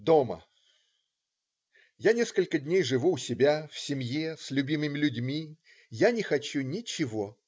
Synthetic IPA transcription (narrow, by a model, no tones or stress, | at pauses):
d̪omə̰ | janʲe̞skəlʲkədʲnʲejʐɨvuːsʲɪbʲafsʲɪmʲjesʲlʲʉbʲimɨmʲɪlʲʉdʲmʲi | janʲɪxɐt͡ɕunʲɪt͡ɕɪvo̞